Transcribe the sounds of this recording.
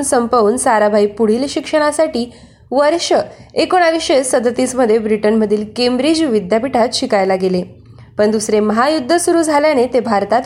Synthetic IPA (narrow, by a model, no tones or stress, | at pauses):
nsəmpauːnsaɾabʱaipuɽ̤iːlɕikʂəɽ̃asaʈiː | ʋəɾɕəekoɽ̃aʋiɕesəd̪ət̪iːsməd̪ʱːjebɾiʈənməd̪ʱiːlkembɾid͡ʑʋid̪japiʈʰat̪ɕikajlaɡele | pəɳd̪usɾeməɦajud̪ʱːəsuɾuːd͡zʱaljanet̪ebʱaɾt̪at̪